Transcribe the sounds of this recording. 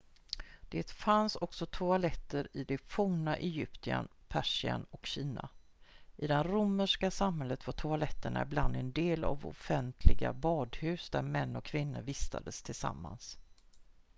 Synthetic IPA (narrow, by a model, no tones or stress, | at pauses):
d̪̥eːt̪fansɔksɔt̪ʰʊalɛt̪ːəɾɪd̪ɛfʊːnaʔɛjʏpt̪ɪa̰npʰæʂɪa̰nɔkɕiːna | ʔɪd̪ɛnɾʊmːəʂkasamɦɛlːət̪vaʈ̪ʰʊalɛt̪ːəɳa̰ɪbland̪ɛnd̪eːla̰vɔ̰fɛnt̪ʰlɪɡa̰bɑːd̪hʉ̟ːsd̪æɾmɛnːɔkʰːvɪnːəɾvɪst̪ʰa̰d̪əst̪ʰɪlsa̰mːa̰ns